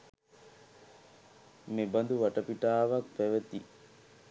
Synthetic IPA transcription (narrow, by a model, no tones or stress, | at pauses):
mebɐnd̪uʋaʈɐpiʈaːʋak̚pæʋət̪i